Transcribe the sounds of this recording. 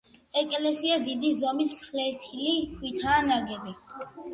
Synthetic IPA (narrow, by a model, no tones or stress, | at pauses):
ɛkʼlɛsiad̪id̪izɔmismʰχlɛɾt̪ʰilikʰwit̪ʰaːnaɡɛbi